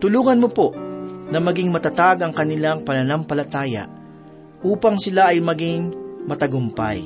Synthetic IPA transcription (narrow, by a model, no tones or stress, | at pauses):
t̪ʊluːŋɐnmopoʔnɐmɐɡɪŋmɐt̪ɐt̪aɡɐŋkɐnɪlaŋpɐnɐnɐmpɐlɐt̪aːjɐ̰ʔ | ʔuːpɐŋsɪlaʔɐjmɐɡɪŋmɐt̪ɐɡʊmpa̰j